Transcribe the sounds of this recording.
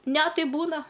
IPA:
ˈnʲɛ ˈtɐɪ ˈbuːnɐ

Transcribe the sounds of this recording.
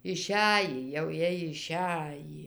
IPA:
ɪˈʃʲæjiː jɛʊ ˈjiɛj ɪˈʃʲæjiː

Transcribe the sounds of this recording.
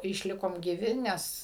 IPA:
ɪʃʲˈlʲɪkoːm ɡʲiːˈʋʲɪ ˈnʲɛs

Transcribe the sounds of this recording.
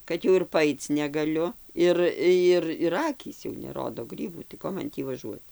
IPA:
ˈkɐt jɛʊ ɪr pɐˈɐɪt͡s nʲɛɡɐˈlʲʊ ˈɪr ˈjɪr ɪr ˈɑːkʲiːs jɛʊ nʲɛˈroːdoː ˈɡrʲiːbuː tɐɪ ˈkoː mɐn ˈtʲiː ʋɐˈʒuɔt

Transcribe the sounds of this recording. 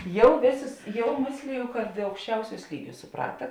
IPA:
ˈjɛʊ ˈʋʲeːˌsʊs ˈjɛʊ ˈmʲeːsʲlʲɪjʊ kɐt ɐʊkʃʲˈt͡ʃʲɛʊˌsʲuːs ˈlʲiːˌɡʲuːs sʊˈprɑːtɐ

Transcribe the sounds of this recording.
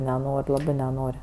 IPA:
nʲɛˈnoːrʲ ˈlˠɑːbɜ nʲɛˈnoːrʲ

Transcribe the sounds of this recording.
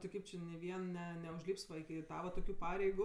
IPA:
tʲɪ ˈkɐɪp t͡ʃʲɪ nʲɪ ˈʋʲiɛn ˈnʲɛ nʲɛʊʒʲlʲiːps ˈʋɐ ɪkʲɪ ˈtɑːʋɐ toːˈkʲuː ˈpɑːrʲɛɪɡʊ

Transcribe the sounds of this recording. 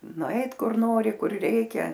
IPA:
nʊˈɐɪt ˈkʊr ˈnoːrʲɪ ˈkʊr ˈrʲɛɪkʲɛ

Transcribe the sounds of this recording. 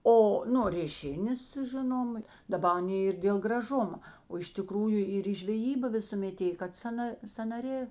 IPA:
ˈoː nʊ rʲeːˈʃʲɪnʲeːs ˈʒʲɪnoːmɐ dɐˈbɐ ɐˈnʲeː ɪr dʲeːlˠ ɡrɐˈʒʊmɐ oː ɪʃ tʲɪˈkruːjʊ ɪr iː ʒʲʋʲɛˈjiːbɐ ʋʲɪsʊˈmʲɛt ˈeːj kɐt ˈsɑːnɐ sɐnɐˈrʲeː

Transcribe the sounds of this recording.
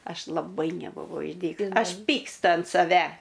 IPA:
ˈɐʃ lˠɐˈbɐɪ nʲɛbʊˈʋɐʊ ɪʒʲˈdʲiːkʊs ˈɐʃ ˈpʲiːkstʊ ɐnt sɐˈʋʲɛ

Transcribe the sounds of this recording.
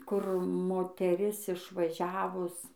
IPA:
kʊr moːtʲɛˈrʲɪs ɪʃʋɐˈʒʲæːʋʊs

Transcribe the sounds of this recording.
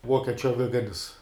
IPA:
ˈʋuɔkʲiɛt͡ʃʲʊ ɐˈʋʲɪɡɐnʲɪs

